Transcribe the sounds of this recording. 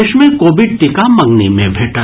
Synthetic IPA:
eʃmẽkoːbɪɖ̚ʈɪkamɐ̃ŋɡnimẽbʱeːʈa

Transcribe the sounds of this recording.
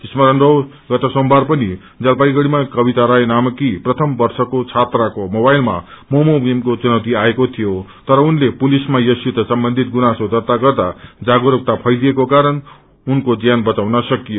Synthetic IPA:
t̪ismʌɾʌnrʌw | ɡʌt̪ʌsombʱarpʌni | d͡zʌlpaiɡʌɽimakʌbit̪aɾaenamʌkiprʌt̪ʰʌmbʌrsʌkot͡sʰat̪rakomobajlma̰momobemkot͡sunʌwt̪iaekot̪ʰijot̪ʌɾʌunlepulismajʌsit̪ʌsʌmbʌnd̪ʱit̪̚ɡunasod̪ʌt̪aɡʌrd̪ad͡zaɡoɾʌk̚t̪apʰʌjliekokaɾʌn | unkod͡zijanbʌt͡sawnʌsʌkijo

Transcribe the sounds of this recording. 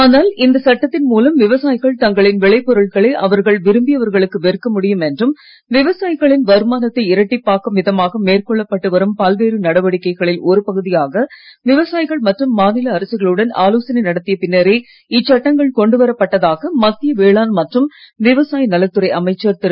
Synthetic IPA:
aːnaːlɪnd̪ɐsɐʈːɐt̪ːɪnmuːlɐmʋɪʋɐsaːjɪɣɐɭt̪ɐŋɡɐɭɪnʋɪɭɐɪpːɔɾɐɭɣɐɭeːʔɐʋɐɾɣɐɭʋɪɾɯmbɪjɐʋɐɾɣɐɭɯkːɯʋɛɾkːɐmʊɽɪjɯmɛndrɯm | ʋɪʋɐsaːjɪɣɐɭɪnʋɐɾɯmaːnɐt̪ːɐɪɪɾɐʈːɪpːaːkɐmʋɪðɐmaːɣɐmeːrkɔɭːɐpːɐʈːɯʋɐɾɯmpɐlʋeːɾɯnɐɽɐʋɐɽɪkːɐɪɣɐɭɪlɔɾɯpɐɣɯðɪjaːɣɐʋɪʋɐsaːjɪɣɐɭmɐʈrɯmːaːnɪlɐːɾɐsɯɣɐɭɯɽɐna̰ːloːsɐnɐɪnɐɽɐt̪ːɪjɐpɪnːɐɾeː | ɪt͡ʃːɐʈːɐŋɡɐɭkɔɳɖɯʋɐɾɐpːɐʈːɐðaːɣɐmɐt̪ːɪjɐʋeːɭaːnmɐʈrɯmʋɪʋɐsaːjɐnɐlɐt̪ːɯɾɐɪʔɐmɐɪt͡ʃːɐɾt̪ɪɾɯ

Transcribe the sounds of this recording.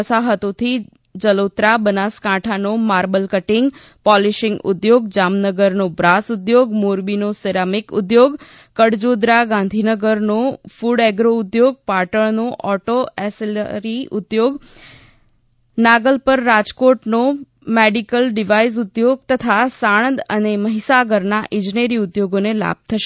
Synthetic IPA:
əsaɦət̪ot̪ʰi | d͡ʒəlot̪ɾabənaskãʈʰanomaɾbəlkəʈɪŋɡ | pɔliʃɪ̃ŋɡʊ̰d̪joɡd͡ʒamnəɡəɾnobɾasʊd̪joɡmuɾbinoseɾamɪkʊ̰d̪joɡ | kəɽd͡ʒod̪ɾaɡãnd̪ʱinəɡəɾnofuɽɛɡɾoʊd̪joɡ̚paʈəɭnoʔɔʈoɛslɾiʊd̪joɡ | naɡəlpəɾːad͡ʒkoʈno | meɖikəlɖiʋais̬ʊd̪joɡ̚t̪ət̪ʰasaɽ̃ə̃nd̪əneməɦisaɡəɾnaʔɪ̃d͡ʒneɾiʊd̪joɡonela̰b̚t̪ʰəʃe

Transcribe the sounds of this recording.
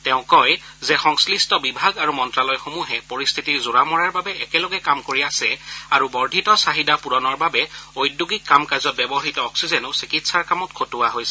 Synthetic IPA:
tɛʊ̃kɔj | zɛxɔŋslistɔbibʱaɡaɹumɔntɹalɔjxomuɦɛpoɹist̪ʰitiɹzʊɹamɔɹaɹbabɛɛkɛlɔɡɛkamkoɹiasɛaɹubɔɹdʱitɔsaɦidapuɹɔnɔɹbabɛojdːuɡikːamkazɔt̚bɛbɔɦitɔːksizɛnʊsikitsaɹkamɔtkʰotʊwaɦojsɛ

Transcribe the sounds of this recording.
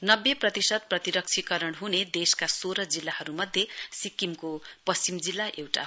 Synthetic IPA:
nʌbːeprʌt̪isʌd̪̚prʌt̪iɾʌk̚t͡sʰikʌɾʌɽɦuned̪eskasoɾʌd͡zilːahʌɾumʌd̪ʱjesikimkopʌst͡simd͡zilːaʔewʈa̰

